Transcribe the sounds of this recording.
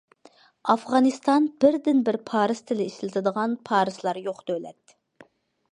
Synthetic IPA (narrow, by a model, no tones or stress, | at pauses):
ɑfʁɑnɨst̪ɑnb̥ɪɾd̪ɪnbɪɾpʰɑːɾɨst̪ʰɪlɪiʃɪlɪt̪ʰɪd̪əʁɑnpʰɑːɾɨslˠɑɾjoqd̪ølɛ̰t̪